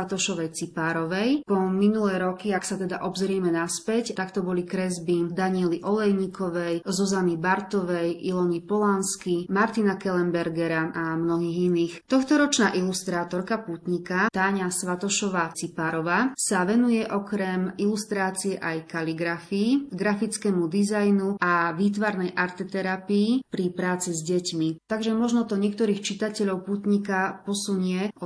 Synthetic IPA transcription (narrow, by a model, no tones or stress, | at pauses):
at̪ɔʃɔʋɛjt͡sipaːɾɔʋɛjpɔminulɛːɾɔkiaksat̪ɛd̪aʔɔbzɾɪɛmɛnaspɛct̪akt̪ɔbɔlikɾɛzbid̪aɲiɛliʔɔlɛjɲikʰɔʋɛjzɔzanibaɾt̪ɔʋɛjʔilɔnipɔlanskimaɾt̪inakɛlɛmbɛɾɡɛɾaamnɔɦiːɣiniːxt̪ɔxt̪ɔɾɔt͡ʃnaːʔilust̪ɾaːt̪ɔɾkapuːt̪ɲikat̪aːɲasʋat̪ɔʃɔʋaːt͡sipaɾɔʋaːsaʋɛnujɛʔɔkɾɛmilust̪ɾaːt͡siɛʔajkaliɡɾafiːɡɾafit͡skɛːmud̪izajnuaʋiːt̪̬ʋaɾnɛjʔaɾt̪ɛt̪ɛɾapiːpɾipɾaːt͡sizɟɛcmit̪aɡʒɛmɔʒnɔt̪ɔɲɪɛk̚t̪ɔɾiːxt͡ʃit̪acɛʎɔʊpuːt̪ɲikapɔsuɲɪɛɔ